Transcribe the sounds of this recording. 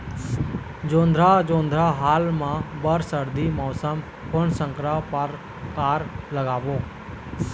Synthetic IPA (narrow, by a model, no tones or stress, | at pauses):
d͡ʒõːnd̪ʱɾaːd͡ʒõːnd̪ʱɾaːɦaːlmãːbəɾsəɾd̪iːmɔːsəm | kʊɳsə̃ŋkɾapəɾ | kaːɾləɡaːʋoː